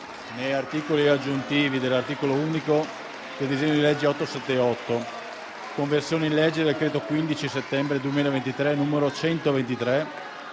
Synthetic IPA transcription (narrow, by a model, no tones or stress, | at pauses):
nejart̪iːkoliad͡ʒːunt̪iːvid̪elːart̪iːkolouːniko | ked̪izeɲːod̪ilɛd͡ʒːeɔt̪ːosɛt̪ːeɔt̪ːo | koɱversjoːneinlɛd͡ʒːed̪elkɾeːt̪okwind̪it͡ʃiset̪ːɛmbɾed̪uemiːlevent̪it̪ɾenumeɾot͡ʃɛnt̪ovent̪it̪ɾe